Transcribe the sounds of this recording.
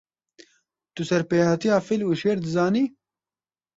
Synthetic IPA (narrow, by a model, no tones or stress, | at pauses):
t̪usɛɾpeːhɑt̪ijaːfiluːʃeːɾd̪ɨzɑːniː